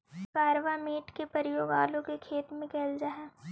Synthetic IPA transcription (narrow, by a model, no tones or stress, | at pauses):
kaːɾʋameːʈkepɐɾjoːɡaːlõkekʰeːt̪mẽkɛːld͡ʒaːɦɛː